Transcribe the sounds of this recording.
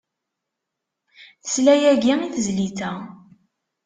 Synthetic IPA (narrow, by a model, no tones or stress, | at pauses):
θə̥slæjæɡiiθəzliθæ